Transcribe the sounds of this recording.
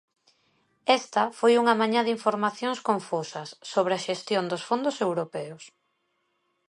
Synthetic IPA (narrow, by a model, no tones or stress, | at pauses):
ɛst̪ɐfojuŋɐmaɲaðiɱfoɾmaθjoŋskoɱfusɐsːoβɾeaʃest̪jond̪osfond̪osewɾopɛʊs